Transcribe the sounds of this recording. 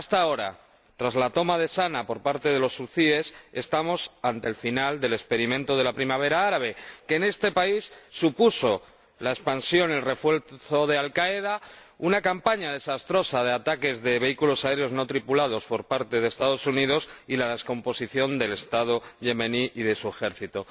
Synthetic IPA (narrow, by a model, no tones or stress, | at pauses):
ast̪ao̞ɾa̰ | t̪ɾazlat̪o̞maðe̞sanapo̞ɾpaɾt̪e̞ðe̞lo̞sːuθie̞se̞st̪amo̞sant̪e̞lfinald̪e̞le̞spe̞ɾimẽnt̪o̞ð̞e̞lapɾimaβ̞e̞ɾaaɾaβ̞e̞ke̞ːne̞st̪e̞paisːupuso̞ | laespansjo̞nelre̞fwe̞lθo̞ðe̞alkaeða | unakampaɲaðe̞sast̪ɾo̞sað̞e̞at̪ake̞zðe̞βe̞ikulo̞sae̞ɾeo̞zno̞t̪ɾipulað̞o̞spo̞ɾpaɾt̪e̞ðest̪að̞o̞suniðo̞silaðe̞sko̞mpo̞siθjo̞nd̪e̞le̞st̪aðo̞ʝe̞meniʔiðe̞sue̞xe̞ɾθit̪o